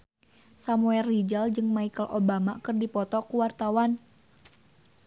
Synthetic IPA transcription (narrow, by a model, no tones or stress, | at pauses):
samuɛrːid͡ʒald͡ʒɨŋmaikəlʔobamakərdipɔt̪ɔkuwart̪awan